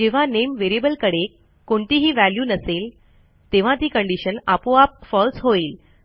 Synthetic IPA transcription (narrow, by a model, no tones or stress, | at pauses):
d͡ʑeʋ̤anemʋeɾebəlkəɽek | kːoɳt̪iːɦiːʋæljuːnəsel | t̪eʋ̤ãt̪iːkəɳɖiɕənapoap̚fɔlsɦoiːl